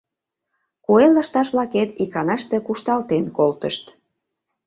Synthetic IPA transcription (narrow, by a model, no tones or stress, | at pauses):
kuelːɑʃt̪ɑʃβlɑket̪ikɑnɑʃt̪e̽kuʃt̪ɑlt̪enkolt̪əʃt̪